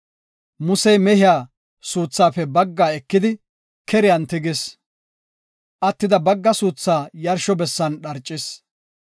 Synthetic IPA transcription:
mʊsɛjmɛhɪjaː | suːt͡sːaːpɛbɐɡːaːɛkːɪd̪ɪ | kɛɾɪjɐnt̪ɪɡɪs | ʔɐt̪ːɪd̪ɐbɐɡːɐsuːt͡sːaːjɐɾʃɔbɛsːɐnɗɐɾt͡ʃʼːɪs

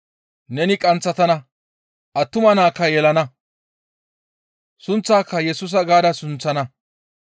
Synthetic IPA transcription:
nɛnɪkʼɐnt͡sːɐt̪ɐnɐ | ʔɐt̪ːʊmɐnaːkːɐjɛlɐnɐ | sʊnt͡sːaːkːɐjɛsʊːs̬ɐɡaːd̪ɐsʊnt͡sːɐnɐ

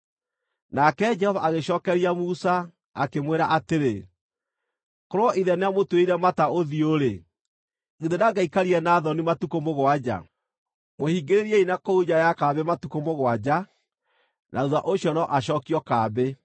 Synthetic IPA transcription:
nakɛd͡ʒɛhɔvaʔːɣeɕɔːkɛɾiamusa | a̰kemweɾaʔateɾe | koɾoɔʔiðɛneamotweiɾɛmataoðioɾe | ɣiðenaɡaikaɾiɛnaðɔnimatukomoɣwad͡ʑa̰ | mohiɡeɾeɾiɛinakoud͡ʑajakabematukomoɣwad͡ʑa | nʔauða̰ʔoɕɔnɔʔaɕɔːkiɔkaːbe

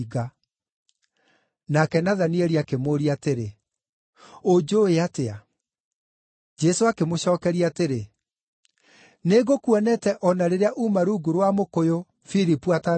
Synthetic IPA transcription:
ɣa | nakɛnaðanieɾiakemoɾiateɾe | od͡ʒoeatea | d͡ʒɛsoakemoɕɔːkɛɾiateɾe | neɣokwɛnɛtɛʔɔnaɾeɾeaʔumaɾuːɡuɾwamokojo | fiɾipuata

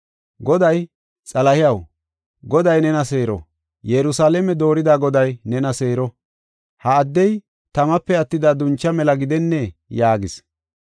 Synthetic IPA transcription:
ɡɔd̪ɐj | t͡sʼɐlɐhɪjɐw | ɡɔd̪ɐjnɛnɐseːɾɔ̰ | jɛɾʊsaːlɛmɛd̪o̞ːɾɪd̪aːɡɔd̪ɐjnɛnɐse̞ːɾɔ | hɐːd̪ːɛj | t̪ɐmɐpːɛɐt̪ːɪd̪aːd̪ʊnt͡ʃːɐmɛlɐɡɪd̪ɛnːɛjaːɡɪs

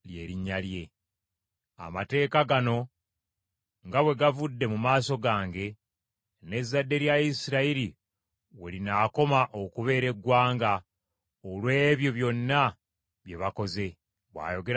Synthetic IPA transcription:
lje̞ːɾiɲːalje̞ | a̰mate̞ːkaɡano̞ | ŋɡaβwe̞ɡavudːe̞mumaːso̞ɡaːŋɡe̞ | ne̞zːadːe̞ɾjaisiɾaiɾi | wḛlinaːko̞maʔo̞kuβe̞ːɾe̞ɡwaːŋɡa | olwe̞ːβjo̞βjo̞nːa | βje̞βako̞ze̞ | βwa̰ːjo̞ɡe̞

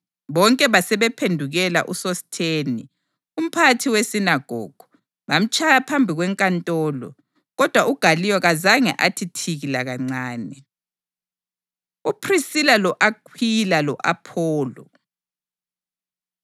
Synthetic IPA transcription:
βɔŋkʼɛβasɛβɛpʰendʱuɣɛla̰ʔusɔstʰeːni | um̩pʰatʰiwesinaɡ̥ʱɔ̰ːɡ̥ʱu̥ | βam̩t͡ʃʰʼajapʰambʱiɣwɛŋkʼantʼɔːlɔ̰ | ɣɔd̥ʱwaʔuɡ̥ʱalijɔɣazaŋɛ̰ʔatʰitʰiɣilaɣaŋ͡ǀaːnɛ | upʰrisilalɔʔakʰwilalɔʔapʰɔːlɔ̰

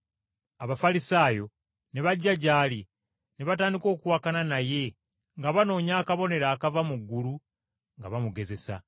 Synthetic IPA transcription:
aβafalisaːjo̞ | ne̞βaɟːaɟaːli | neβataːndiko̞ːkuwakananaje̞ | ŋɡaβano̞ːɲaːkaβo̞ne̞ɾaːkavamuɡːulu | ŋɡaβamuɡe̞ze̞sa̰

